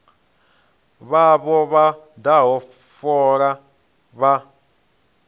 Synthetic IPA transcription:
βaβɔβa | daɦɔ | fɔɾa | βa

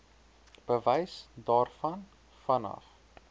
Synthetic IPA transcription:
b̥əvɛjsdɑːrfɐn | fɐnɐ̰f

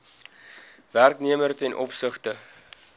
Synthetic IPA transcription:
værkniəmərtɛnʔɔpsəχtə

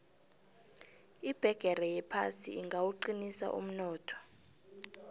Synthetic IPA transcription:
ib̥ʱɛɡ̥ʱɛrɛjɛpʰa̰sḭiŋɡʱawuǃinisa̰ʔṵm̩nɔːtʰɔ̥

